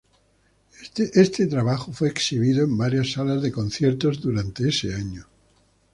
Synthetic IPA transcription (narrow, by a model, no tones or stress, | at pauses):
t̪eʔest̪e̞t̪ɾaβ̞axofwe̞ːksiβ̞iðoembaɾjasːalazðeko̞n̟θje̞ɾt̪o̞zðuɾant̪e̞eseaɲo